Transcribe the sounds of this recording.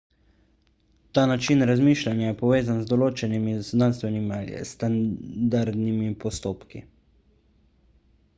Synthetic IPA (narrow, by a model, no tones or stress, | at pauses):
t̪aːnat͡ʃinɾazmiːʃlanjajɛpɔʋeːzanzd̪ɔloːt͡ʃɛnimiznaːnst̪ʋɛnim̰st̪and̪aɾd̪nimipɔst̪oːpkḭ